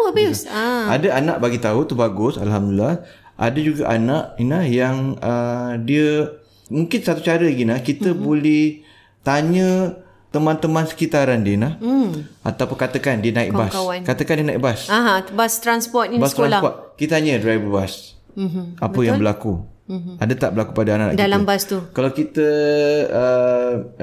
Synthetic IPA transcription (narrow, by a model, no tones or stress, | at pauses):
busaadaanaʔbaɡit̪aut̪ubaɡʊsa̰lɦamdəllah | ʔa̰dəd͡ʒuɡaʔanaʔinahjaŋədiə | muŋkɪnsat̪ut͡ʃaɾəɡinahkit̪əbulɛh | t̪aɲə̃ | t̪əmãnt̪əmãnsə̥kit̪aɾandiənaha̰t̪awpkat̪əkandiənãḭʔbaskawankat̪əkandiənãḭʔbasaɦãbast̪ɾanspɔt̪̚ibast̪ɾaalapɔt̪̚kit̪ət̪aɲədɾajbəbas | apəjaŋbəlaku | adət̪aʔbəlakupadaanaʔa̰ʔkdalambast̪ukalawkit̪ə | ə